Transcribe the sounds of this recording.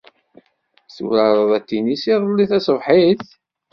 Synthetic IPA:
sṵwɾɑɾˤəðˤæt̪ːinisiðˤlːiθæsˤvħiθ

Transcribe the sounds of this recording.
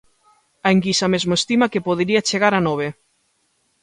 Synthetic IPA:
aeŋkisamezmoest̪imɐkepoð̞eɾiat͡ʃeɣaɾanɔβ̞e

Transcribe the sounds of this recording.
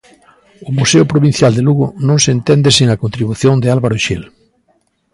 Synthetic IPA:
ʊmuseʊpɾoβĩn̟θjald̪ɪluɣʊnõŋsent̪ɛnd̪ɪseŋɐkont̪ɾiβuθjond̪ɪalβaɾʊʃil

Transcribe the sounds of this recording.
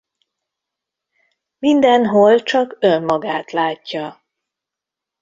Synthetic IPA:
mind̪ɛnɦolt͡ʃɒkømːɒɡaːt̪laːcːɒ

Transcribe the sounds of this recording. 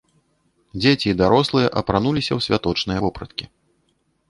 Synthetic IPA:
d͡zʲet͡sʲid̪aɾɔslˠɨjɐʔɐpɾanulʲisʲɐwsʲvʲat̪ɔt͡ʂnɨjɐvɔpɾɐt̪kʲi

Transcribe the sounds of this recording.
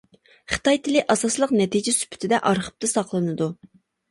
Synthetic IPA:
χɨ̥t̪ɑjt̪ʰɪlɪʔɑsɑslˠəqnɛt̪ʰid͡ʒɪsy̥pʰy̥t̪ʰɪd̪ɛʔɑɾχə̥p̚t̪ɨsɑqlˠɨnɨd̪u

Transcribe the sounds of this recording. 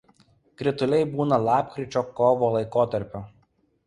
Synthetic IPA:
kɾʲɪt̪ʊlʲɛɪbuːnɐlˠɑːp̚kɾʲɪt͡ʃʲoːkɔːʋoːlˠɐɪkoːt̪ɐɾʲpʲʊ

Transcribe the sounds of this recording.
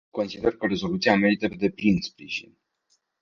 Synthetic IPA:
ko̞nsid̪e̞rkəɾe̞zo̞lut̪siame̞ɾit̪əped̪e̞plinspɾiʒḭn

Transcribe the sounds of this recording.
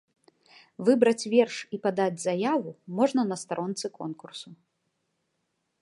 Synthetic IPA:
vɨbɾɐt͡sʲvʲɛrʂipad̪ad͡zʲzajavumɔʐnɐnɐst̪aɾʔɔnt̪sɨkɔnkursu

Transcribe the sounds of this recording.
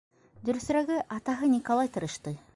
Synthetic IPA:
d̪ɵ̆ɾɘ̆s̆ɾæɡɘʔɑt̪ɑɦɤnʲikolˠɑjt̪ɤ̆ɾɤʃt̪ɤj

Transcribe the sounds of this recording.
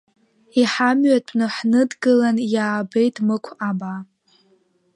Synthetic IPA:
iħamɥatʼpʰʼnɨħnɨdɡɨlanjaːbe̞jtʰʼmɨkʷʰaba

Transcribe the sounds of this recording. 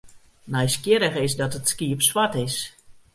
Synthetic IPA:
najskjɪɾəxɪsdɔtətskiəpswatɪs

